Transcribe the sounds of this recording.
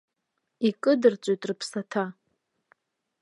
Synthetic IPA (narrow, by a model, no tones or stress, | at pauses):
ikʼɨdɨrt͡ʃʷʼojtʼrɨpʰsatʰa